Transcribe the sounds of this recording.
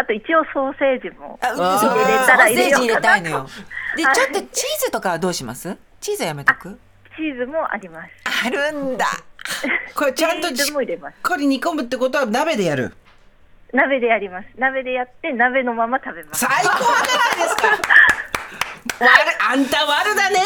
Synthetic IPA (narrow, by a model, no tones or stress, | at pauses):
at̪o̞it͡ɕio̞so̞ːse̞ːd͡ʑimo̞̰aɯoeoɾaiseːd͡ʑiːɾet̪ainojod̪e̞t͡ɕot̪ːo̞t͡ɕiːzɨt̪o̞kaβad̪o̞ːɕima̰sɨ | t͡ɕiːzɨojame̞t̪kɯ̟ | t͡ɕiːzɨmo̞ʔa̰ɾʲimasɨ̥aɾɯ̟̃nd̪a̰ | koɾet͡ɕãnt̪o̞moiɾemaskʰoɾʲiɲ̟ikombɯ̟t̪ːeko̞t̪̬o̞βanabe̞d̪e̞jaɾɯ̟̰ | nabe̞d̪e̞aɾʲimasɨ̥nabe̞d̪e̞jat̪ːe̞nabe̞no̞mamat̪abe̞masaikoanaɾaid̪esɨ̥ka | βaɾɯãnt̪aβaɾɯ̟d̪ane̞